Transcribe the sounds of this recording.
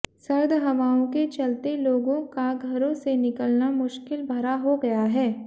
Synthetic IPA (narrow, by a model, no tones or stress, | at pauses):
sɐɾd̪ʱɦɐʋaːõket͡ʃɐlt̪eloːɡõkaɡʱɐɾõsenɪkəlnamʊʃkɪlbʱɐɾaɦoɡɐjaɦɛː